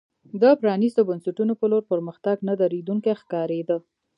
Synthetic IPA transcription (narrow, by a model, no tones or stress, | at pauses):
d̪əpɾɑnist̪obansaʈunopəloɾpəɾməxt̪aɡnad̪aɾed̪uŋkexkɑɾed̪ə